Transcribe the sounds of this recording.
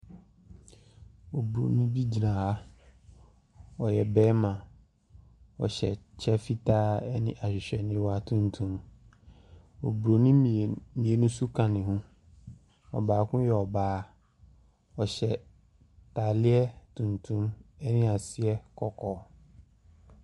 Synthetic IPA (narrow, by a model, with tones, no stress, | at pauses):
o˨bu˨ɾo̰˨nũ˦bi˦d͡ʑi˨nã˨a˦ | ɔ˨jɛ˨bɛː˦mã˨ | ɔ̰˨ɕɛ˨t͡ɕʰɛ˦fi˦tʰaː˦ɛ˦nɪ̰̃˦ʔa˨ɕᶣɪ˨ɕᶣɛ˨nɪ̃˦wa˦tʰũ˦ntʰũ˦m | o˨bɾo˨nĩ˦mĩ˨e˨nũ˦su˦kʰã˨nɪ̃˨ɦʊ̃˦ | ɔ̰˨baː˨kʊ̃˦jɛ˨ɔ˨baː˦ | ɔ˨ɕɛ˨ | ta˨lɪ˦ɛ˦tʰũ˨ntʰũ˦mɛ˦nɪ̃˦a˨sɪ˦ɛ˦kʰɔ˨kʰɔ˦